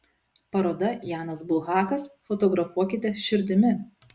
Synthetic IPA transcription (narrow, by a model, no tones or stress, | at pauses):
pɐɾoːd̪ɐjɑːnɐsbʊlˠɣɑːkɐsfɔt̪ɔɡɾɐfuɔkʲɪt̪ʲɛʃʲɪɾʲd̪ʲɪmʲɪ